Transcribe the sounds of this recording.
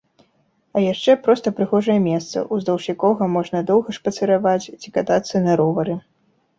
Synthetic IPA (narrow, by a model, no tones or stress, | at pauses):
ɐjaʂt͡ʂɛpɾɔst̪ɐpɾɨɣɔʐɐjɛmʲɛst̪sɐ̰ʔuzd̪ɐwʂʲikɔɣɐmɔʐnɐd̪ɔwɣɐʂpɐt̪sɨɾavat͡sʲt͡sʲikat̪at̪sɐnɐɾɔvɐɾɨ